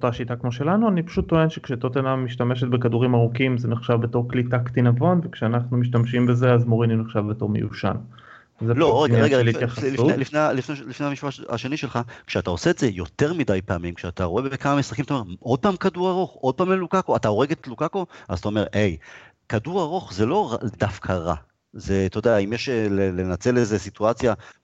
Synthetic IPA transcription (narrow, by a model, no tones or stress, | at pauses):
otaʃitakmo̞ʃe̞lanuanipḁʃutːo̞e̞nʃekʃet̪ot̪enamiʃtame̞ʃet̪̚bekaduʁimaʁukimzeneχʃavbe̞to̞ʁklitaktinavo̞nvekʃeanaχnumiʃ̬tamʃimbe̞zeazmoʁinineχʃavbeto̞ʁmejṵʃa̰n | zeloʁenaʁeɡaelijaχasulifnealifnelifnehamiʃbaa̰ʃe̞niʃelχakʃeatao̞seːtze̞jo̞t̪e̞ʁmidajpeamimkʃeat̪aʁoebeekamamisʁ̥aχimat̪aoe̞ʁo̞d̚paːmkaduʁaʁo̞χo̞d̚paːmlelukako̞atao̞ʁe̞ɡet̪lukako̞a̰zat̪ao̞me̞ʁe̞j | kaduʁaʁo̞χze̞lo̞ʁad̪afkʰaʁa̰ | zet̪o̞d̪eaimjeʃlele̞nat͡se̞lezesituat͡sja